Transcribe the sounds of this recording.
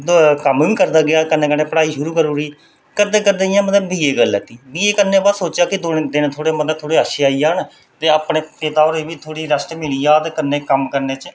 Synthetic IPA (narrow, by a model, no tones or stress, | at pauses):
d̪kəmʋĩːkəɾd̪aːɡɪjaːkənːeːkənːeːpəɽaːiːʃʊɾuːkəɾuːɾiː | kəd̪eːkəd̪eɪjãːmət̪ləbbiːeːɡəlːɛːt̪iːbiːeːkənːẽːbaːd̪soːt͡ʃaːkɪd̪ond̪ɪnt̪ʰoːɽeːmət̪lət̪ʰoːɽeːəʃeaːiaːɳ | t̪eːaːpɳeːpɪt̪aːoːɾeːbiːt̪ʰoːɽiːɾəsʈmɪliːaːt̪eːkənːeːkəmkəɾneːt͡ʃ